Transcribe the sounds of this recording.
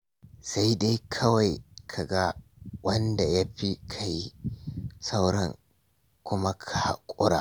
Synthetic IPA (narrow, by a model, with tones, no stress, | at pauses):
sa˦jda˦jkʰɐ˦wa˨jkʰa˨ɡa˦wɐ˦nda˨ja˦ɸi˦kʰa˨ji˦ | sa˦wɽɛ˨ŋ | kʷʊ˦ma˦kʰa˨ha̰˦˨kʷʼʊ˦ɽa̰ː˨